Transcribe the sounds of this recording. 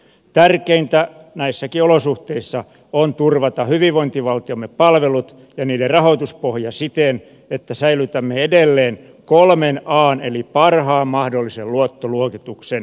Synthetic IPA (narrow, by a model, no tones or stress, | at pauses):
t̪ærkeint̪æ | næisːækiolosuht̪eisːɑ | ont̪urʋɑt̪ɑhyʋiʋʋoint̪iʋɑlt̪iomːeppɑlʋelut̪ | jɑniːderrɑhot̪uspohjɑsit̪en | et̪ːæsæilyt̪æmːeedelːeːn | kolmenɑːnelipɑrhɑːmmɑhdolːiselluot̪ːoluokit̪uksen